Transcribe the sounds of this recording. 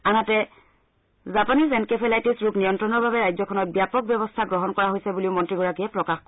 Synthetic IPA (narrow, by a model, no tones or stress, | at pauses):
anatɛ | zapanizɛnkepʰelajtisɹuknijɔntɹɔnɔɹbabɛɹajzɔkʰɔnɔt̚bjapɔk̚bjɔβɔstʰaɡɹɔɦɔnkɔɹaɦojsɛbuliʊmɔntɹiɡɔɹakiɛpɹɔkax